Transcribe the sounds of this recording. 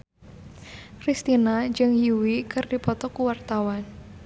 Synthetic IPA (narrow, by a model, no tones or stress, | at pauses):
kɾist̪inad͡ʒɨŋjuwikɨrdipɔt̪ɔkuwart̪awan